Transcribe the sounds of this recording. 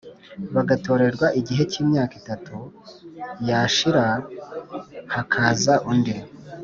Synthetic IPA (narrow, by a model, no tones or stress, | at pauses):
βaɡato̞ːɾe̞ɾɡwaʔiɟiɦe̞ciːmɲaːkitatu | jaːʃiɾa | hakʰaːzaʔunde